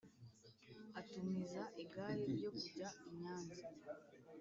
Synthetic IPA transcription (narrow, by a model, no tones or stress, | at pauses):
atumizaʔiɡaːɾiɾjo̞kuɟaiɲaːnza